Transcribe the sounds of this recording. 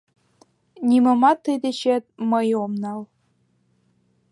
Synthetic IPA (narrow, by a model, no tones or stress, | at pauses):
nʲimɤ̆mɑt̪ːəjd̪et͡ɕet̪̚mɤjomnɑl